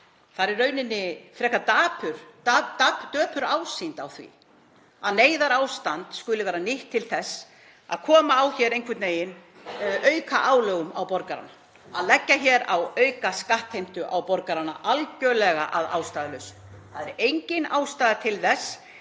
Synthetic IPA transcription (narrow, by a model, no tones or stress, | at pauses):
θaɾɪɾːœːɥnɪnːɪfɾɛhkat̪aːpʏɾ̥t̪aːt̪aːpt̪œːpʏɾaːwsint̪awθvḭ | aðneːjðaɾaːwst̪ant̪skʏlɪvɛːɾanɪht̪ʰːɪlθɛsː | a̰ðkʰɔːmaːwçɛːɾejŋkʰɪt̪neːjɪn | ʔœɥkʰaʔaːwlœːɣʏmawpɔɾkaɾa̰na | aðlɛcːaçɛɾawœːɥkaskaht̪hejm̥t̪ʏʔawpɔɾkaɾanːa̰ʔalcœlɛɣaʔaða̰ːwst̪aːðɪlœɥsʏ̥m | θaðɛɾejɲcɪnaːwst̪aːðat̪ʰɪlθɛsː